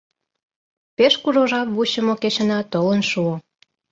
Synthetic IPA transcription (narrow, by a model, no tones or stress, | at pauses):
peʃkuʒoʒɑpβuɕə̆moket͡ɕə̆nɑt̪olənʃuo